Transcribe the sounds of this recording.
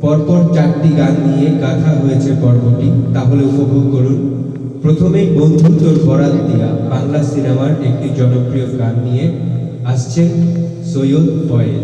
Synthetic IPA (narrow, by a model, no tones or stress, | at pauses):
pɔɾpɔɾt͡ɕakʈiɡanːijeɡat̪ʰaɦojet͡ɕʰepɔɾboʈit̪aɦoleupobʱoɡ̚koɾun | pɾot̪ʰomejbond̪ʱut̪oɾɡʱɔɾad̪d̪ija̰baŋlasiɾabaɾek̚ʈid͡ʑɔnopɾijoɡanːije | aʃt͡ɕʰe | sojod̪pɔe